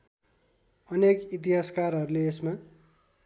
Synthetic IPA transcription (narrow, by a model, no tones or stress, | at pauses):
ʌnekit̪̬iɦaskarɦʌɾuleːsma